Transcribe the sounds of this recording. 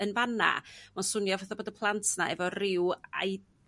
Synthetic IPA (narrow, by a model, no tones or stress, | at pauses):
ənvana̰mansʊnjɔvɛθaboːdəpʰlˠantʰna̰ɛvɔrɪwa̰j